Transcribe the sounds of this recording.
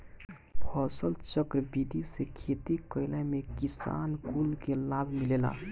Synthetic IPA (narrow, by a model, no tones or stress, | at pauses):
pʰɔːsəlt͡ʃəkɾəbid̪isekʰeːt̪ikəɪlamẽkisa̰ːnkulkelaːbʱmileːla̰